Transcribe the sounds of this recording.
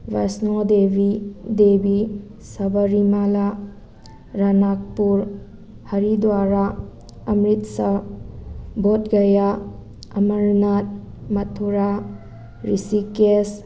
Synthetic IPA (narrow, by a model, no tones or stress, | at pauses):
wasnodebʱidebi | sɐbɐɾimala | ɾanak̚puɾ | hɐɾidwaɾa | ɐmɾitsɐ | bot̚ɡɐja | ɐmɐɾnat̚ | mɐtʰuɾa | ɾisikes